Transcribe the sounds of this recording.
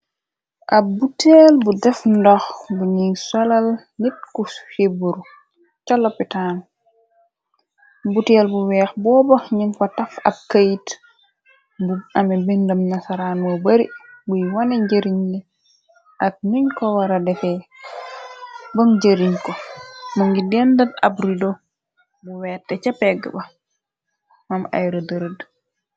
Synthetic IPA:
ʔɐbutɛːlbudɛfndɔxbuɲiŋsalal | nit̚kufebuɾu | cɔlɔpːitaːn | butɛlbuwɛːxbɔːbɐɲiɲkɔtɐfɐ̰b̚kajit | buamɛbindɐmnasaɾanmɔbɐɾḭbujwanɛd͡ʒeɾiɲdɛ | ʔak̚ɲiɲkɔwaɾadɛfɛ | bənd͡ʒeɾiɲkɔmuŋɡidɛndana̰bɾidɔ | buwɛːtːɛt͡ʃapɛɡ̰ba | mama̰jɾɔdəɾd

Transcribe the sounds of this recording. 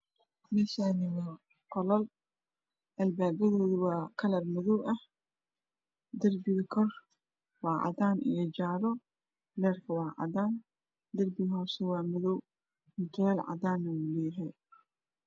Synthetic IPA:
mɛʃaːnɪmɪn | qɔlɔl | ʔɐlbaːbɐðɔːðʊwɑːkʰɐlɐrmɪðɔwʔɐh | d̪ɐrbɪɣkʰɔr | wɑːʕɑ̰daːnʔɪ̰jɐd͡ʒaːɾɔ | lɛːrkʰɐwɑːʕɑ̰daːn | d̪ɐrbɪɣɦɔːsɛwɑːmɪðɔw | ɪnt̪ʰʊɛlʕɑ̰daːnːɐwulɛːɦɛj

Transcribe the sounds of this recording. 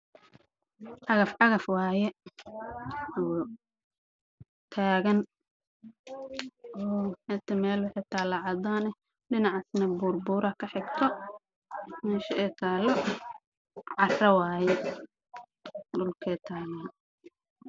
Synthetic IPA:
ʕɑɣɐfʕɑɣɐfwɑːjɛ | ɔː | t̪ʰaːɣɐn | ɔːħɛt̪ʰɐmɛːlwʊħɑjt̪ʰaːlɑʕɑd̪aːnɛ | ɖɪnɑʕɑsnɐbʊrbʊɾɐkʰɐħɪɡt̪ʰɔ | mɛːʃɐɛt̪ʰaːlɔ | ʕɑrrɐwaːjɛ | dʊlkʰɛːt̪ʰaːlɐ

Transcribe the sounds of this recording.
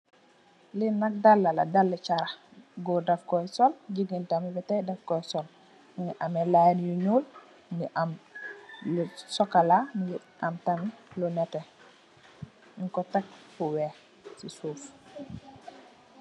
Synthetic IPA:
linak̚dalːala̰dalːɛt͡ʃaɾa | ɡɔdafkɔjsɔlɟiɡintamibɛtajdafkɔjsɔl | niʔamɛlajnjuɲul | ŋiʔam | lsɔkalaŋɡi | ʔamtamlunɛtɛ | iŋkɔtak̚fuwɛ | sisuːf

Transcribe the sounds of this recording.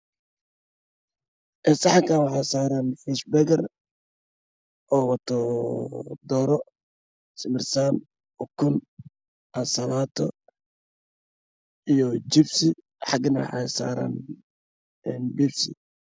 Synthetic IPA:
ʔɛsɑħɑŋkʰaːnwɑħɑjsaːɾanħiːʃbɛɣɐr | ʔɔːwɑt̪ʰɔ | d̪ɔːɾɔ | sɪmɪrsaːn | ɔkʰʊn | ɐsɐlaːt̪ʰɔ̰ | ijɔt͡ʃɪbsɪ | ħɑɡnɐwɑ̰ħɑ̰jsa̰ːɾa̰n | ɛːnbibsɪ̰

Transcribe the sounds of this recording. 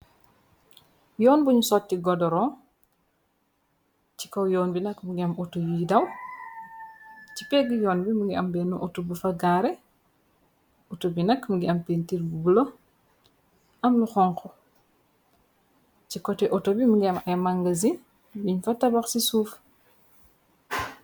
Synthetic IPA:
jɔːnbuɲsɔtːiɡɔdɔɾɔ | ci̥kɔwjɔːnbinɐkmuɡiɐmɔtojudɐw | cipɛɡijɔːnbimuɡiɐmbɛnuʔɔtobufɐɡaːɾɛ | ɔtobinɐkmuɡiɐmpentiɾbubulo | ɐmnuxɔŋkɔ | cikɔtɛʔɔtobimuɡiɐmɐjmaŋɡɐzin | biɲfɐtɐbaxsisuːf

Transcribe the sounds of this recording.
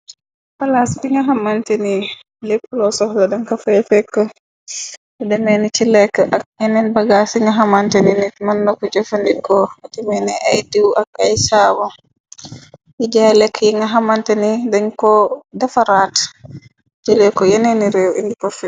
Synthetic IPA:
falasbiŋɡaɦamanteni | lepːulɔsɔhladaŋkafajɛfɛkːɔ | ɛdɛmɛnit͡ʃilɛkːaʔak̚jɛnɛnbaɡasiŋɡaɦamantaninitmanːɔkɔd͡ʒafandikɔd͡ʒɛmɛnɛʔajdiwakajsawɔ | id͡ʒalɛkʰːjɛŋaɦamantanidaɲkɔdafaɾat | d͡ʒɛlɛkɔjɛnɛniɾɛwindikɔfɛ

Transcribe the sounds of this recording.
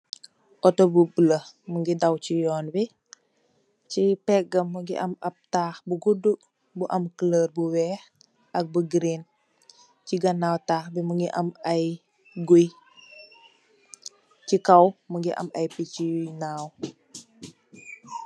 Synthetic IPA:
ʔɔtɔbubələməŋɡidɐwcijɔːnbi | cipɛk̚ɡɐmːəɡḭʔɐmɐp̚taːxbuɡudu | buʔɐmkələːrbuwɛːx | ʔɐk̚buɡɾin | ciɡɐnaːwtaːxbimuŋɡiʔɐmɐj | ɡuj | cikɐwməŋɡiʔɐ̰mɐjpicinaːw

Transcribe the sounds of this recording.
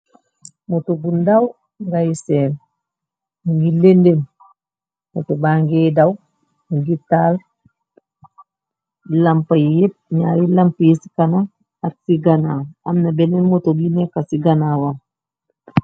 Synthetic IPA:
motoɡundaw | ŋɡajisɛn | ŋɡilendem | motobaŋɡedaw | ŋɡital | lampajjit̚ɲaɾilampijisi̥kana | atsiɡanawamnabenenmotoɡinekasiɡanawam

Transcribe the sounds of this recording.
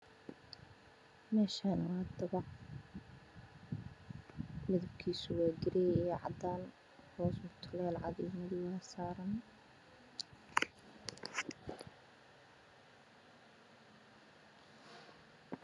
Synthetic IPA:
mɛːʃaːnɐwɑːd̪ɐβɑʕ | mɪðɐb̚kʰiːsʊwaːɡɪɾɛjɛʕɑ̰d̪aːn | hɔːsʊt̪ʰʊlɛːlʕɑ̰ðɛjmɐðɪwɑːsaːɾɐn

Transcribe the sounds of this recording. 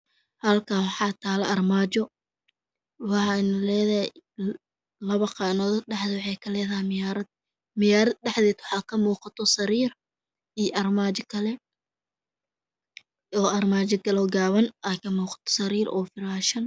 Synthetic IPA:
hɐlkʰaːwɑħɑːt̪ʰaːlɐʔɐrmaːd͡ʒɔ | wɑħɑɪnʊlɛːðɐhɛ | lɐβɐqɑnɔːðɔɖɛħðɪwɑħɑjkʰɐlɛːðɐhɪmɪjaɾɐd̪ | mɪjaːɾɐd̪ɖɛħdɛːd̪wɑħɑːkʰɐmuːqɑt̪ʰɔsɐɾiːr | ijʔɐrmaːt͡ʃɔkʰɐlɛ | ɔːɐrmaːt͡ʃɐkʰɐlɛɔːɡaːβɐnʔɐkʰɐmuːqɑ̥t̪ʰɔ̥sɐɾiːrʔɔ̰ːfɪɾaːʃɐn

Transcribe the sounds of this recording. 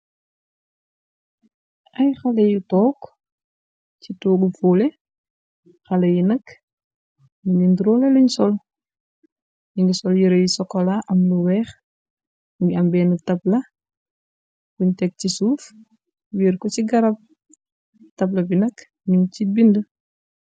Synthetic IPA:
ʔajxalejitɔːk | t͡ʃituːɡufuːlɛ | xalejinɐk | miɲinduɾɔːleliɲsɔl | niŋɡisɔljiɾejisɔkːɔlaʔɐmluwɛːx | ŋɡiambɛːnutɐp̚la | kuɲtɛk̚cisuːf | wiɾkɔt͡ʃiɡaɾap̚ | tɐp̬lɐbinɐk | ɲuŋcibində

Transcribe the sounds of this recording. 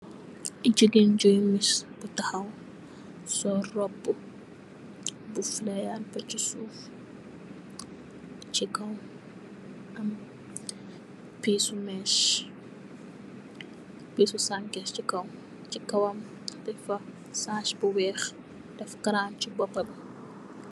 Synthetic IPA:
ʔid͡ʒəɡend͡ʒɔjmisb̥utɐhɐw | sɔrɔbː | buflɛjanfɐt͡ʃisuːf | t͡ʃikɐw | ɐm | piːsumɛʃ | piːsusaŋkɛst͡ʃikɐw | t͡ʃikɐwɐm | dɛfɐ | saːʃbuwɛːx | dɛfkɐɾaːnt͡ʃibɔpːɐb

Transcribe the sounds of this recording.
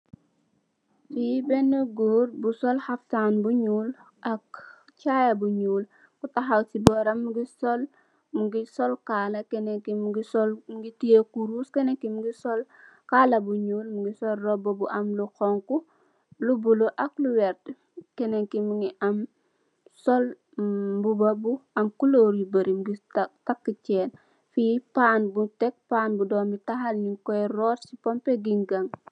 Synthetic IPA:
fibɛnəɡuːɾbusɔlhaftanbuɲuːl | ʔɐk | cajɐbuɲuːl | kutaxawtibɔɾɐmːuɡisɔl | muɡisɔlkaːlɐkɛnekimuɡisɔlmuɡitijekuɾuskɛnekimuɡisɔl | kaːlɐbuɲuːlmuɡisɔlrɔbɔbuʔɐmlukoŋku | lubuloʔakluwɛɾt | keneŋkimuŋiʔam | sol | bubabuɐmkuloɾjibɐɾimuɡitakːit͡ʃeːn | fipaːnbutek̚paːnbudoːmbitaɦalɲiŋkojɾotsipompeɡiŋɡaŋ

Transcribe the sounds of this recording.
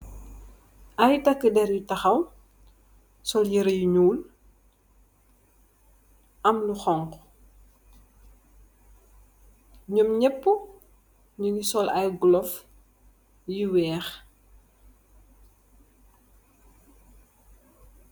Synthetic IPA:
ʔɐjtɐkːədɛɾjutɐxɐw | sɔljiɾəjuɲuːl | ʔɐmluxɔŋk | ɲɔmɲɛpːu | ɲunisɔlɐjɡlɔf | jiwɛːx

